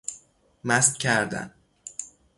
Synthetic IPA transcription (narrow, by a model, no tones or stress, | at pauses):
mæst̪cʲʰæɾd̪æ̰n